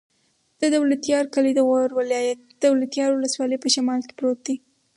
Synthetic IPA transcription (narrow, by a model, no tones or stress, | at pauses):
d̪̥əd̪awlat̪jɑɾkalid̪əɣaɾwalɑjat̪̚d̪̥əwlat̪jɑɾwʊləswɑləjpəʃamɑlke̥pɾot̪̚d̪i